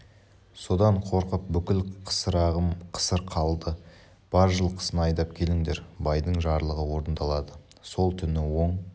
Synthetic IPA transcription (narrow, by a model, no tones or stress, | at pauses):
so̞d̪ɑɴqʰo̞ɾqəp̚bʏkʲɪlqʰə̥səɾɑʁəmqʰə̥səɾqʰɑlˠd̪ə | b̥ɑɾʒəlˠqʰə̥sənəɑjd̪ɑp̚kʲʰe̞lɪŋd̪e̞ɾbɑjd̪əɴʒɑɾlˠəʁəwo̞ɾənd̪ɑlˠɑd̪ə | so̞lˠt̪ʰʏnɪwo̞ɴ